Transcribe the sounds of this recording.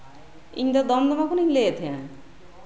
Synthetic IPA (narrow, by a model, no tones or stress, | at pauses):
ḭɲd̪ɔd̪ɔmd̪ɔmakuniɲleet̪ʰijã